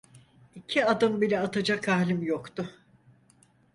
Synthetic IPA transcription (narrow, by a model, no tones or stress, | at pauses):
icʰiad̪ɯmbilʲɛat̪ʰad͡ʒakʰahlʲimjokt̪ʊ